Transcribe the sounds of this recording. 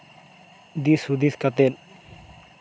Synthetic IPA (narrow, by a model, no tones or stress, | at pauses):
d̪isud̪iskat̪el